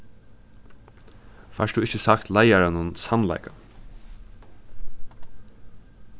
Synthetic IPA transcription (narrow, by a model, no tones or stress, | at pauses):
faʂt̪ʊɪçəsakt̪lajaɾanʊnsanla̰ɪjka